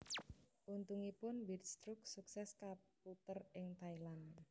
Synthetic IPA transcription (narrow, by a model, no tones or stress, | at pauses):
ʔunt̪uŋipʊnbirst̪ɾʊk̚suksɛskap̚ut̪ərɪŋt̪ailan